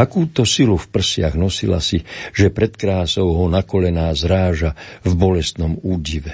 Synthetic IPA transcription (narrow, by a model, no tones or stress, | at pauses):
akuːt̪ɔsilufpr̩sɪaɣnɔsila̰siʒ̥ɛpɾɛt̪kɾaːsɔʊɦɔnakɔlɛnaːzɾaːʒavbɔlɛst̪nɔmuːɟiʋɛ